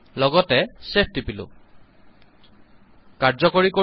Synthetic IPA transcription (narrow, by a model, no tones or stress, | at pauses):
lɔɡɔtɛsep̚ʰdipilʊ̰̃ | kaɹzɔkoɹiko